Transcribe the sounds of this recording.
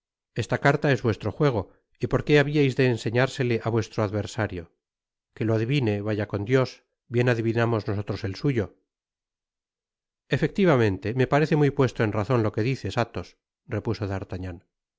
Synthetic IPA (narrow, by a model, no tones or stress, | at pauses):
e̞st̪akaɾt̪ae̞zβwe̞st̪ɾo̞xwe̞ɣ̞o̞ | ipo̞ɾke̞aβiajzðe̞ːnse̞ɲaɾse̞le̞ʔaβwe̞st̪ɾo̞aðβe̞ɾsaɾjo̞ | ke̞loaðiβine̞βaʝako̞nd̪jo̞s | bje̞naðiβinamo̞zno̞so̞t̪ɾo̞se̞lsuʝo̞ | e̞fe̞k̚t̪iβamẽ̞nt̪e̞me̞paɾe̞θe̞mujpwe̞st̪oenraθo̞nlo̞ke̞ðiθe̞sat̪o̞s | re̞puso̞ðaɾt̪aɲan